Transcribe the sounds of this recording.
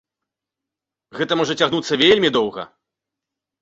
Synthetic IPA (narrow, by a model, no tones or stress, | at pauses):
ɣɛt̪ɐmɔʐɐt͡sʲaɣnut̪sːɐvʲelʲmʲid̪ɔwɣɐ̰